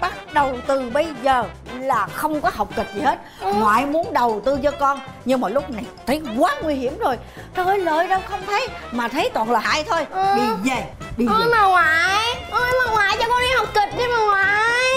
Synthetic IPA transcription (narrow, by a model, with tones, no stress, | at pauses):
ɓa˦˥t̚ɗə˨˩wt̪ɨ˨˩ɓə˧jzəː˨˩laː˨˩xə˧wŋ͡mkɔ˨˦ɦa˨˩wk͡p̚kï˨˩k̚zi˨˩he˦˥t̚ŋwa̰ː˧˨jmu˨˦ənɗə˨˩wt̪ɨ˧t͡ɕɔ˧kɔ˧nɲɨ˧ŋmaː˨˩lʊ˦˥k͡p̚na˨˩jt̪ʰə˨˦jkwaː˨˦ŋwi˧hi˧˩əmzo˨˩j | t̪ːəː˨˦jləː˨jɗə˧wxə˧wŋ͡mt̪ʰə˨˦jmaː˨˩t̪ʰə˨˦jt̪wa̰ː˧˨nlaː˨˩haː˧jt̪ʰo˧jɗi˧zə˧˩jɗi˧˨˧maː˨˩ŋwaː˨jʔə˨˧˩maː˨˩ŋwaː˨jt͡ɕɔ˧kɔ˧nɗa˧˦ha˨˩wk͡p̚kï˨˩k̚ɗi˧˦maː˨˩ŋwaː˨˩j